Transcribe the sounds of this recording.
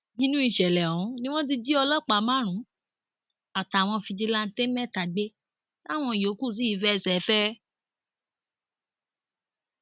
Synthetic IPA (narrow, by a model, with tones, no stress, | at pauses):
nĩ˦nũ˦i˦˨ʃɛ˨lɛ˨ɔ̃˨ũ˨˦nĩ˦w̃ɔ̃˦t̬i˧d͡ʒi˦ɔ˧lɔ˦˨k͡pa˨˦mã˦ɾ̃ũ˨˦ | a˨ta˨w̃ɔ̃˧fi˧d͡ʒi˧la˦˧n̩˦te˦mɛ̃˦˨ta˨ɡ͡be˦ | la˦˨w̃ɔ̃˧i˨jo˨˦ku˦˨s̬i˨˦i˨˦fɛ˦˧sɛ˨˦fɛ˦